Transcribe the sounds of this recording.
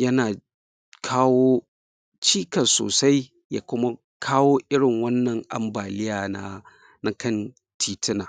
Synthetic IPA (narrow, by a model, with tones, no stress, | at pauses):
jɐ˦naː˨ | kʰaː˦woː˦ | t͡ʃiː˦kɐ˨nso̰ː˨sa˦j | jaː˦kʷʊ˦ma˦ | kʰaː˦woː˦ʔɪ˦ɽɪ˨ŋwɐ˦nːɐ˨ŋʔa̰˨mbaː˨lɪ˦jaː˨na˦ | na˨kɐ˦˨n | tʰiː˨tʰɪ˦naː˨